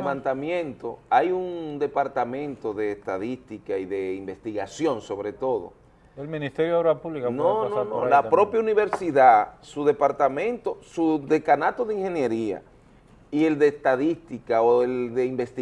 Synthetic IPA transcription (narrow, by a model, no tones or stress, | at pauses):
βant̪amjẽ̞nt̪o̞ajuŋd̪e̞paɾt̪amẽ̞nt̪o̞ðeːst̪aðist̪ikaiðe̞imbe̞st̪iɣasjo̞ŋso̞βɾe̞t̪o̞ðo̰ | elmĩnist̪eɾjoðaɾapuβlikanononõlapɾo̞pjauniβe̞ɾsiðasuðe̞paɾt̪amẽ̞nt̪o̞suðe̞kanat̪oðeiŋhe̞nje̞ɾia̰ | ie̞ld̪e̞ːst̪aðist̪ikaoeld̪e̞imbe̞st̪i